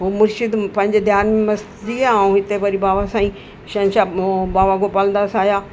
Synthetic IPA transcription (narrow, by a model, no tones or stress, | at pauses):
ɦomʊɾʃɪd̪pɐ̃ɦɪ̃ɲd͡ʑd̪ʱjaːnmẽmɐst̪d͡ʑiaːũɦɪt̪epɐɾibaːʋasãːĩː | ʃɐ̃nʃabaːʋaɡopɐlə̃nd̪aːsaːjaː